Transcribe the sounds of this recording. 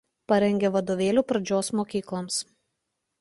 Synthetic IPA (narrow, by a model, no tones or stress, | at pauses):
pɐɾʲɛŋʲɡʲɛʋɐd̪oːʋʲeːlʲuːpɾɐd͡ʒʲoːsmoːkʲiːklˠoːms